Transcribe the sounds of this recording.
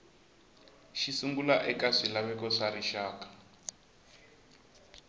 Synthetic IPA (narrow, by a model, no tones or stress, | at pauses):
ʃisuŋɡulaʔɛkaʂilaβɛkɔʂaɾiʃaːkḁ